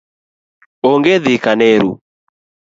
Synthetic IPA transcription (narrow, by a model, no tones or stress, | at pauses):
oŋɡeðikaneɾu